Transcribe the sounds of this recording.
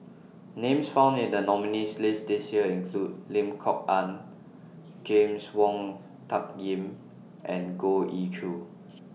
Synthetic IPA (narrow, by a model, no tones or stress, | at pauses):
nẽmsfãʊ̃ndĩndənɔminislesdesiəĩnkʰlud̚lĩmkʰɔk̚ãn | d͡ʒẽmswɔ̃ŋ | tʰap̚ɡĩm | ʔɛ̃nɡoʔit͡ʃʰu